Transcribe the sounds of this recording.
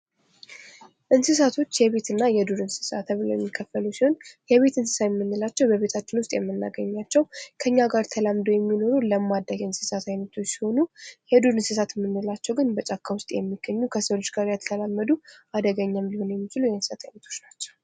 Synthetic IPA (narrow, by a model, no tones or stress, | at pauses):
ʔɨnsɨs̬at̪ʰo̞t͡ʃːjɛβe̞t̪ɨnːajɛd̪uɾɨnsɨ̥sa̰t̪ʰəβɨlowjɛ̰mːikʰːəfəlusiho̞njɛβe̞t̪ɨnsɨ̥sajɛmːɨnːɨlat͡ʃːɛwbəβe̞t̪ʰat͡ʃːɪnwʊst̪ʼjɛmːɨnːa̰ɡəɲːat͡ʃːɛwkʰəɨɲːaɡaɾt̪ʰəlamd̪owjɛmːino̞ɾuləmːad̪ːajɛɨnsɨ̥sat̪ʰajnət̪ʰo̞t͡ʃːsi̥ho̞nujɛd̪uɾɨnsɨsat̪mːɨnːɨlat͡ʃːɛwɡɨnbət͡ʃʼakʰːawʊst̪ʼjɛmːiɡ̥ːəɲːukʰəsəlot͡ʃɡaɾjat̪ʰət̪ʰəlamːəd̪uʔad̪əɡəɲːamlihonjɛmːit͡ʃilujɛɨnsɨsat̪ʰajmət̪ʰo̞̥t͡ʃnat͡ʃːɛ̥w